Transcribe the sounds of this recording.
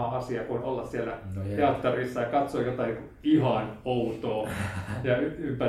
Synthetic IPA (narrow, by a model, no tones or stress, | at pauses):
ɑɑsiɑkonolːɑssiælːæt̪eɑt̪ːɑrisːɑjɑkɑt̪sojot̪ɑiku | ihɑnout̪oːjɑyympæ